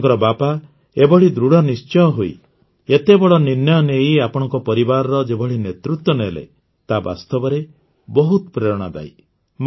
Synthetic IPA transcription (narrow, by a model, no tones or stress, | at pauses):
ŋkɔɾɔbapa | ebɔɽ̤id̪ɾuɽɔnist͡ʃɔjɔɦuḭ | et̪ebɔɭɔninjɔnejiapɔɽ̃ɔŋkɔpɔɾibaɾɔɾɔd͡ʒebɔɽ̤inet̪ɾut̪wɔnelḛ | t̪aba̰st̪ɔbɔɾe | bɔɦut̪pɾeɾɔɽ̃ad̪a̰j | m